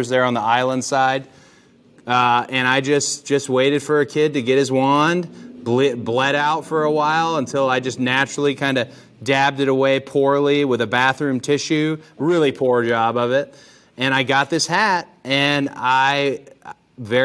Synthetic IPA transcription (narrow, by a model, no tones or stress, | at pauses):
zðə˞ə̃nðiaɪlˠə̃nd̥saɪd̚ | ʌɨ̃ɾ̃aɪd͡ʒʌsd̥ʒ̥ʌst̚weɪɾɨd̥fə˞ɨkʰɪd̚tɨɡɛt̚hɨzwɑ̃ndblɪblɛɾaʊtfə˞əwaɪlˠə̃ntʰɪlˠaɪd͡ʒʌsnæt͡ʃɹ̥l̩ˠikʰãɪ̃ndɨ | dæb̚dɨɾəweɪpʰʊɹlˠiwəðɨbæθɹʉ̃mtʰɪʃʉɹɪlˠipʰʊɹd͡ʒɑbʌvɪt̚ | ɨ̃ɾ̃aɪɡɑt̪̚ðɪshæt̚ɨ̃naɪ | vɛ